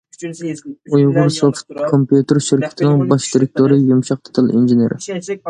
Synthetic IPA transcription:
ujʁʊɾsoft̪̚kʰompjut̪ɪɾʃiɾkʲʰɪ̥t̪ʰɪnɪŋbɑʃd̪ɪɾɪk̚ʲt̪ʰoɾɨjumʃɑq̚t̪ʰɑ̥t̪ʰɨlˠʔḭnd͡ʒeneɾɪ̰

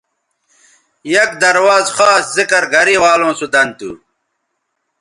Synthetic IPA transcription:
jɐkd̪ɐɾwaːzxaːszikɐɾɡʱɐɾiwaːlõːsud̪ɐnt̪ṵ

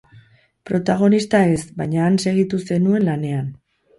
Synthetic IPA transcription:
pɾo̞t̪aɣo̞nist̪ae̞sbajɲaːnse̞ɣ̞it̪use̞nue̞nlane̞an

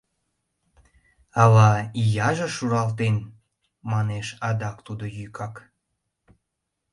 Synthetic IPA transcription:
ɑlɑijɑʒəʃuɾɑlt̪en | mɑneʃɑd̪ɑkt̪ud̪ojykʰɑk

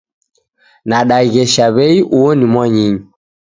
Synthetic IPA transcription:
naɗaiɣɛʃaβɛiʔuɔnimwɔɲiɲi

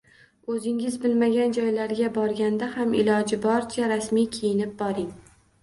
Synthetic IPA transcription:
ɵzɪŋɪzbɪlmaɡʲand͡ʒɒjlaɾɡʲabɒɾɡʲand̪ahamɪlɒd͡ʒɪbɒɾt͡ʃʰaɾasmijkʲʰejɪnɪp̚bɒɾɪŋ

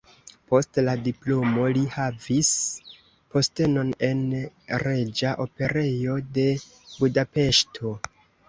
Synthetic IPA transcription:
po̞stladiplomolihavis | po̞ste̞no̞ne̞nɾe̞d͡ʒaʔo̞pe̞ɾe̞jo̞de̞ | budape̞ʃtʰo̞

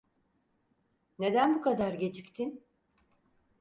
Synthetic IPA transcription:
ne̞d̪ænbukʰad̪aɾɟe̞t͡ʃʰict̪ʰin

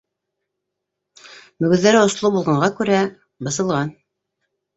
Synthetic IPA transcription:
mɵ̆ɡɵ̆ðːæɾɘŏslˠubulˠʁɑ̆ɴɢɑkʉɾæ | bɤ̆sɤ̆lˠʁɑn

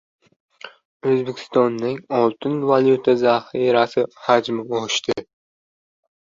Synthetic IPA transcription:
ɵzbekʲʰɪ̥st̪ɒnːɪŋɒlˠt̪ʰɪnvaljut̪ʰazahɪɾasɪhad͡ʒmɪɒʃt̪ʰɪ

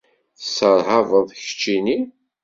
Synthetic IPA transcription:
θsəɾˤɦɑvəðˤçə̥t͡ʃːini

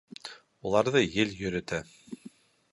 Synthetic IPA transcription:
ulˠɑɾðɤjɘljɵ̆ɾɵ̆t̪æ

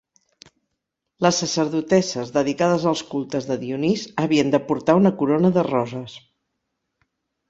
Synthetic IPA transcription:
ləsːəsəɾðut̪ɛsəzðəðikað̞əzəlˠskulˠt̪əzðəðiunizəβiənd̪əpuɾt̪aunəkuɾonəðərɔzəs

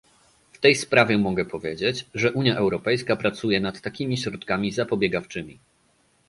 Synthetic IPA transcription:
ft̪ɛjspɾavʲjɛmɔɡɛpɔvʲjḛd͡ʑet͡ɕʐɛʔuɲjaʔɛwɾɔpɛjskapɾat̪sujɛnat̪ːakʲimʲiɕɾɔt̪kamʲizapɔbʲjɛɡaft͡ʂɘmʲi

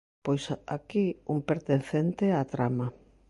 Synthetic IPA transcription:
pojsakiumpeɾt̪en̟θent̪eat̪ɾama

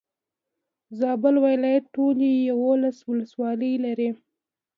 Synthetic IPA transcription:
zɑbəlwajlɑjat̪̚ʈːolijawolaswʊləswɑləjlaɾi

